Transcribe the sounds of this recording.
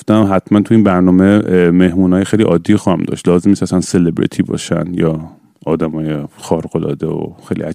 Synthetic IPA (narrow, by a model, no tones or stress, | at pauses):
ft̪æmɦæt̪ʰmænt̪ʰuiːnbæɾnɒːmemehmuːnɒːjexejliʔɒːd̪ːijxɔːhæmd̪ɒ̰ːʃt̪lɒːzemnist̪æsænselebɾḭt̪ʰiːbɒ̰ːʃæ̰nd̪jɒː | ɒːd̪æmɒːjexɒːɾɡolɒ̰ːd̪eo̰xejlḭæ